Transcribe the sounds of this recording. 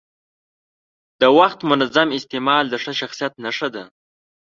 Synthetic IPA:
d̪̥əwaxt̪mʊnazamɪst̪emɑld̪əʂəʃaxsijat̪naʂad̪a

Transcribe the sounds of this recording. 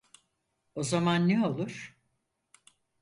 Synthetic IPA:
o̞zamanːeo̞lˠuɾ̥

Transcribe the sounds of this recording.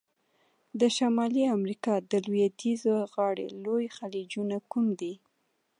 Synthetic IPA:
d̪əʃamɑliamɾikɑd̪əlwjad̪izoɣɑɽḛlojxalid͡ʒunakumd̪i

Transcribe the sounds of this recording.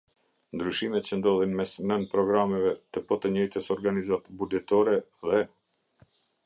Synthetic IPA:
nd̪ɾyʃimɛt̪̚t͡ɕənd̪ɔðɛnmɛsmɛnpɾɔɡɾamɛvɛt̪əpɔt̪əɲɔjt̪əsɔɾɡanizat̪bud͡ʒɛt̪ɔɾɛðɛ

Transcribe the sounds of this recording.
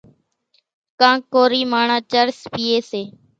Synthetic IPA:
kãːkoːɾiːmaːɳãːt͡ʃəɾspiːeːseː

